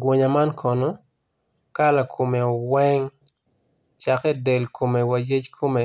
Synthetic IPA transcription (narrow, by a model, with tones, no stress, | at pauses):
ɡwo˨ɲa˨ma˦nkʰɔ˨no˦ | ka˦la˨kʰo˨me˨o˨wɛ˦ŋ | t͡ʃakɛ˦de˨lko˨me˨wa˨je˦t͡ʃkʰo˦me˨